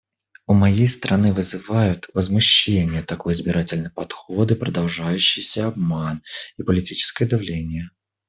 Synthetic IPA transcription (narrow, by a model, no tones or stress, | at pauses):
ʊmɐjejst̪ɾʔɐnɨvɨzɨvajʊt̪vəzmʊɕːenʲɪjət̪ɐko̞jɪzbʲɪɾatʲɪlʲnəjpɐt̪xo̞d̪ɨpɾəd̪ɐlˠʐajʉɕːɪjsʲəab̚manipəlʲɪtʲit͡ɕɪ̥skəjəd̪avlʲenʲɪjə